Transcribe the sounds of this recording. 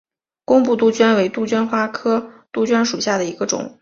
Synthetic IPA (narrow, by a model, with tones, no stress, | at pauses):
kʊ˥ŋpu˥˧t̪u˥˩t͡ɕɥɛ˥nwe˧˥ɪt̪u˥˩t͡ɕɥɛ˥nxwa˥kʰɤ˥t̪u˥˩t͡ɕɥɛ˥nʂu˨˩ɕja˥˩d̪ə˩i˧˥ɡə˧ʈ͡ʂʊ̰˨˩˦ŋ